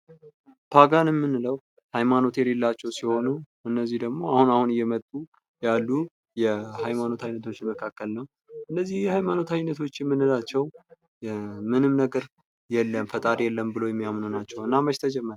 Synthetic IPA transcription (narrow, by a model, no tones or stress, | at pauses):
tʰaɡanɨmːɨnːɨləw | hajmano̞t̪ɛlelːat͡ʃːɛwsiho̞nuʔɨnːəzːihd̪əɡmo̞ahunahunjːɛmət̪ʼːu | jalːu | jɛhajmano̞t̪ʰajnːət̪ʰo̞t͡ʃːməkʰakːəlnəw | ʔɨnːəzːihjɛhajmano̞t̪ʰajnːət̪ʰo̞t͡ʃːɛmːɨnːɨlat͡ʃːɛw | mɨnɨmnəɡəɾ | jɛlːəmfət̪ʼaɾjɛlːəmbɨlojɛmːijamnonat͡ʃːɛwɨnːaməʃt̪ʰəd͡ʒɛmːəɾ